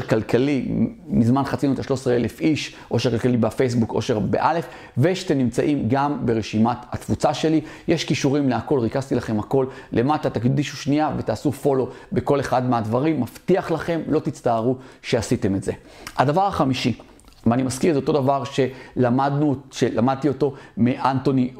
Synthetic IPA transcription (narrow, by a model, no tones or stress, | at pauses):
eʁkalkʰalimizmanχat͡sinuetaʃlo̞sʁele̞fiʃ | ʔo̞ʃekalkalibafejs̬buko̞̰ʃe̞ʁbḛʔale̞f | veʃat̪emnimt͡sa̰ʔimɡambe̞ʁeʃimathat̪vut͡saʃe̞lijeʃkiʃuʁimleako̞lʁikazt̪ilaχe̞mhako̞lːe̞matat̪akd̪id̪iʃuʃniave̞t̪aːsufo̞lo̞be̞ko̞le̞χadmeadvaʁimːaft̪iaχlaχe̞mlo̞t̪it͡st̪aːʁuʃe̞asit̪e̞metze̞ | adavaʁaχamiʃi | veanimaskiʁzeot̪o̞davaʁʃe̞lamaduʃelamad̪̚t̪io̞t̪o̞miʔant̪o̞ni